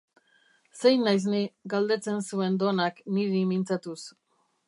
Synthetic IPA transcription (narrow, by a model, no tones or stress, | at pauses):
se̞jnajz̬niɡald̪e̞t͡se̞nsue̞nd̪onakniɾimint͡sat̪us